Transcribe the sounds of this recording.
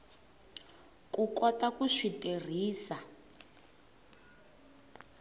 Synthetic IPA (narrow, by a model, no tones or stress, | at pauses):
kukɔtakuʂiter̤iːsa